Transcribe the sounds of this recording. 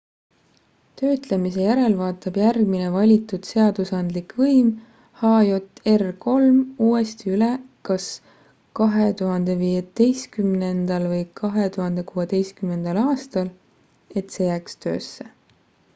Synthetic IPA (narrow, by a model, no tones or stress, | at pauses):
t̪ø̞ːt̪le̞mise̞jæɾe̞lvɑːt̪ːˑɑb̥jærɡminevɑlʲit̪ːˑud̪̥se̞ɑd̪̥usɑnd̪likvɤjm | hɑːjo̞t̪ˑːe̞rko̞lmuːe̞st̪iylekɑs | kɑɦe̞t̪uɦɑnd̪̥e̞viːet̪e̞jskymnend̪̥ɑlvɤjkʰɑɦet̪uɦɑnd̪̥e̞kuːe̞d̪̥e̞jskymne̞nd̪̥ɑlɑːst̪ɑl | e̞t̪se̞jæːkst̪ø̞̰ːsːe